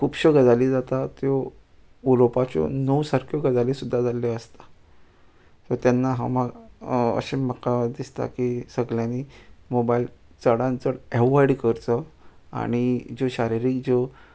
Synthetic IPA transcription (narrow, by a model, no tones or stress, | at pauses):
kʰuːpɕɔɡəd͡zalid͡zat̪at̪jo | ulopat͡ɕɔ̰nəwsaɾkʰjoɡəd͡zalisud̪ʱːad͡zaleəst̪ḁ | t̪ɔɾt̪janːaɦã̰maɡə̰ɕeməkːad̪ist̪a̰kisəɡljãnimobail | t͡səɽãnt͡səɽɛʋajɽkəɾt͡s̪əa̰ɽ̃id͡zoɕaɾiɾiːkd͡zo